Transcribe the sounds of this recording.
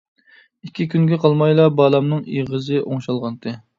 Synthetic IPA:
ikʲʰːikʲʰynɡʲɛqʰɑlˠmɑjlˠɑbɑːlˠɑmnɨŋiʁəzɨʔoŋʃɑlˠʁɑnd̪ɨ

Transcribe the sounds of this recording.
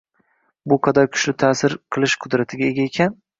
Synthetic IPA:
bʊqʰɑd̪ɒjkʲʰʊ̥ʃlɪt̪ʰaːsɪɾqʰɨlˠɪʃqʰʊd̪ɾat̪ʰɪɡʲae̞ɡʲaekʲʰan

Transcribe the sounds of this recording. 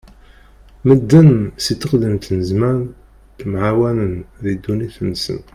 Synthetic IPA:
məd̪ːənsit̪ːəqd̪imt̪nəzmæɾ | kmʕawænənðid̪ːuniθnːsə̰n

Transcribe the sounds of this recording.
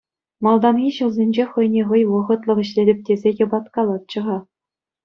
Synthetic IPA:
mɑlˠd̪ɑmɡʲiɕulˠzʲenʲd͡ʑeχɤ̆jnʲeʁɤ̆jʋɤ̆ʁɤ̆t̪lˠɤ̆χɘ̆ɕlʲelʲɘ̆p̚ʲtʲezʲejʲɤ̆bɑt̪kɑlˠɑt̪̚t͡ɕɤ̆ʁɑ

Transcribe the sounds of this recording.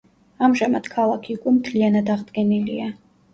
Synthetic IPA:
amʒamad̪̥kʰalˠakʰiukʼɛmt̪ʰlianad̪aʁd̪ɡɛnilia

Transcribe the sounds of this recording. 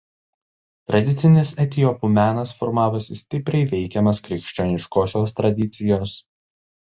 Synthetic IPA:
t̪ɾɐd̪ʲɪt̪sʲɪnʲɪsɛt̪ʲɪɔpumʲæːnɐsfɔɾmɑːʋʊsʲɪsʲt̪ʲɪpʲɾʲɛɪʋʲɛɪkʲɛmɐskɾʲɪkʃʲt͡ʃʲonʲɪʃkoːsʲoːst̪ɾɐd̪ʲɪt̪sʲɪjoːs

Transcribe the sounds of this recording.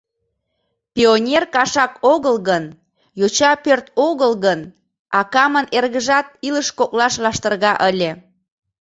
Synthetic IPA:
pʲionʲerkɑʃɑkoɣəlɣən | jot͡ɕɑpørt̪̚oɣəlɣən | ɑkɑmənerɣəʒɑt̪̚iləʃkoklɑʃlɑʃt̪ərɣɑʔəlʲe

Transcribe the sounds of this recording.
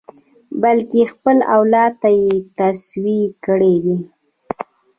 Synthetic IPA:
balkexpəla̰wlɑt̪ːajet̪aswikəɽewi

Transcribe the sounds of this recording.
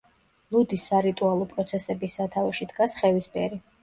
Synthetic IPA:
lˠud̪isːaɾit̪ʼualˠɔpʼɾɔt̪sʰɛsɛbisːat̪ʰavɔʃid̪ɡasχɛvisbɛɾi

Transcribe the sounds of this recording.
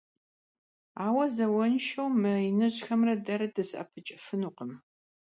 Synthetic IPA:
aːwɐzɐwɐnʃɐwmɨɪnɨʑxɐmrɐdɐɾɐdɨsɐ̰pʰɨt͡ʃʼɪfɨnuːqəm

